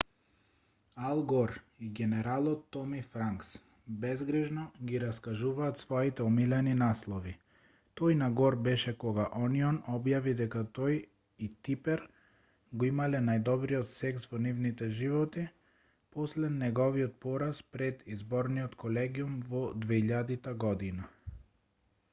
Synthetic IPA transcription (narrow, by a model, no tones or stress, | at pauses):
alˠɡɔɾ | iɡɛnɛɾalˠɔt̪ːɔmifɾaŋks | bɛzɡɾɛʒnɔɡiɾaskaʒuvaːt̪svɔit̪ɛɔmilɛninaslˠɔvi | t̪ɔjnaɡɔɾbɛʃɛkɔɡaʔɔniɔnɔbjavid̪ɛkat̪ɔj | it̪ipɛɾ | ɡɔimalɛnajd̪ɔbɾiɔt̪sɛksvɔnivnit̪ɛʒivɔt̪i | pɔslɛnɛɡɔviɔt̪̚pɔɾaspɾɛd̪izbɔɾniɔt̪kʰɔlɛɡiumvɔd̪vɛiʎad̪it̪aɡɔd̪ina